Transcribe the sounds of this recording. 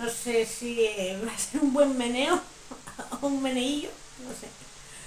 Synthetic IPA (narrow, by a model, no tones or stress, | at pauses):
nosesiβaseɾumbwe̞mːene̞o | ummeneiʎo | nose